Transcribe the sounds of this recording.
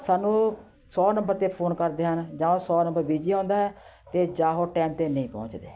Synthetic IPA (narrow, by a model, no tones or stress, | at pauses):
saːnũː | sɔːnəmbəɾt̪eːpʰoːnkəɾd̪eːɦənd͡ʒaːõːsɔːnə̃mbəɾbiːd͡ʒiːãːnd̪aːɦɛː | t̪eːd͡ʒaːɦoːʈɛːmt̪eːnəĩːpɔ̰̃ːɲt͡ʃd̪eː